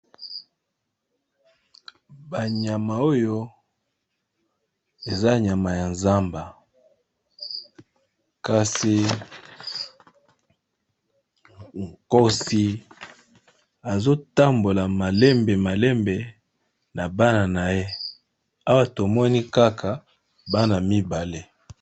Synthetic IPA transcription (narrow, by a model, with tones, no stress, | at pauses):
ba˨ɲa˨ma˨o˦jo˦ | e˨za˦ɲa˨ma˨ja˨nza˦mba˨ | ka˨si˨ | ŋ˨ko˦si˦ | a˨zo˦ta˦mbo˨la˨ma˨le˦mbe˨ma˨le˦mbe˨ | na˨ba˦na˨na˨je˦ | a˦wa˦to˨mɔ˦ni˦ka˦kʰa˨ | ba˦na˨mi˦ba˨le˦